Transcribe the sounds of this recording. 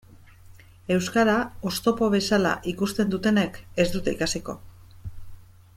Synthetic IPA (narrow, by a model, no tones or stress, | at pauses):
e̞wskaɾao̞st̪o̞po̞βe̞sala̰ʔikust̪e̞nd̪ut̪e̞ne̞ke̞zd̪ut̪e̞ikasiko̞̰